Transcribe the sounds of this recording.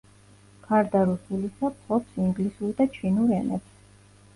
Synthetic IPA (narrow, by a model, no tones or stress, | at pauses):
kʰaɾd̪aɾusulisapʰχɔpsiŋɡlisuɾd̪at͡ʃʰinuɾɛnɛps